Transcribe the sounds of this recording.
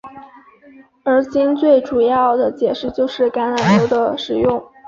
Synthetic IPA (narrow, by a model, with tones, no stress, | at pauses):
ə˞˧˥t͡ɕi˥nt͡swe˥˩ɪʈ͡ʂu˨˩jɑ˥˩ʊd̪ə˩t͡ɕjɛ˨˩ʂɻ̩˥˧t͡ɕjo˥˧ʊʂɻ̩˥˩ka˧˥nla˨˩nʈ͡ʂo˥ʊd̪ə˧ʂɻ̩˨˩jʊ˥˩ŋ